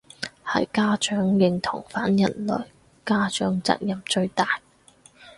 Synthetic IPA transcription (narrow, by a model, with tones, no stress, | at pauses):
hɐ̰˨jkaː˥t͡ʃœː˨˥ŋjɪ˨˧ŋt̪ʰʊ˨˩ŋfaː˨˥njɐ˨˩nlɵ̰˨˩ɥ | kaː˥t͡ʃœ̰ː˨˥ŋt͡sa̰ː˨t̚jɐ˨mt͡ʃɵ˧ɥt̪aː˨j